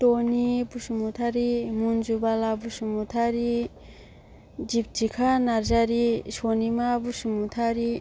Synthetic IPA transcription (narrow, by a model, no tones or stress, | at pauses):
tonibusumut̪ʰaɾimunzubalabusumutʰaɾi | d͡ʒip̚d͡ʒikʰanaɾzaɾisonimabusumut̪ʰaɾi